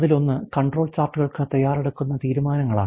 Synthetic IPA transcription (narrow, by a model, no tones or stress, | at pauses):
ðilo̞nːɨkɐɳɖro̞ːɭt͡ɕaːrʈːuɣɐɭkɨt̪ɐjːaːreɽukːunːɐt̪iːɾumaːnɐŋːɐɭa̰ː